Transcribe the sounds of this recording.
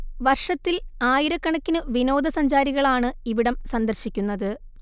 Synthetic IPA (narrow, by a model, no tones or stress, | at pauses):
ʋɐrʂɐt̪ːilaːjiɾɐkːɐɳɐkːinɨʋino̞ːd̪ɐsɐɲd͡ʑaːɾiɣɐɭaːɳɨiʋiɽɐmsɐnd̪ɐrɕikʲːunːɐðɨ